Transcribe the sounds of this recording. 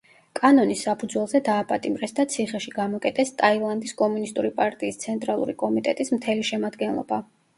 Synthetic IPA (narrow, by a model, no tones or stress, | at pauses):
kʼanɔnisːapʰud̪zwɛlˠzɛd̪aːpʼat̪ʼimɾɛsd̪at̪sʰiχɛʃiɡamɔkʼɛt̪ʰʼɛst̪ʼailˠand̪iskʼɔmunist̪ʼuɾipʼaɾt̪ʼiːst̪sʰɛnt̪ʼɾalˠṵɾikʼɔmit̪ʼɛt̪ʼismt̪ʰɛliʃɛmad̪ɡɛnlˠɔ̰ba